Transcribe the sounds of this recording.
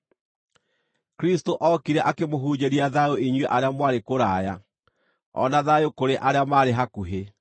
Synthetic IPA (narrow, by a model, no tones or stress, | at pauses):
kɾistoʔɔkiɾɛʔakemoɦuːɲeɾiaðaoiɲweʔaɾeamwaɾekoɾaːja | ɔ̰naðajokoɾeʔaɾeamaːɾeɦakuɦe